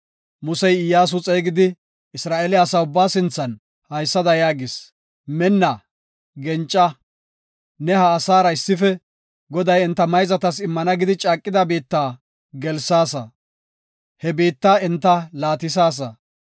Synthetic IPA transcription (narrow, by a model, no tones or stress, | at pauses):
mʊsɛjɪjaːs̬ʊt͡sʼeːɡɪd̪ɪ | ɪsɾaːʔeːlɪɐsaːʊbːaːsɪnt͡sːɐn | hɐjsːɐd̪ɐjaːɡɪs | mɛnːɐ | ɡɛnt͡ʃʼːɐ | nɛhɐːsaːɾɐɪsːɪfɛ | ɡɔd̪ɐjɪnt̪ːɐmɐjzɐt̪ɐsɪmːɐnɐɡɪd̪ɪt͡ʃʼaːkʼːɪd̪ɐbiːt̪ːaː | ɡɛlsaːsɐ | hɛbiːt̪ːaːɪnt̪ːɐlaːt̪ɪs̬aːs̬ɐ